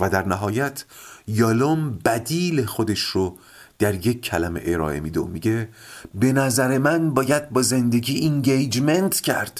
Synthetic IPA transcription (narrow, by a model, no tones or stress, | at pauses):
væd̪æɾnæɦɒːjæt̪ʰjɒlombæd̪iːlexod̪e̞ʃro | d̪̥æɾje̞kʰːælæme̞̰ʔeɾɒ̰ːe̞̰miːd̪eo̰miɟe̞be̞næzæɾe̞mænbɒːjæd̪̚bɒːze̞nd̪e̞ɡiːʔiŋɟejd͡ʒment̪ʰcʰæ̰ɾd̪̥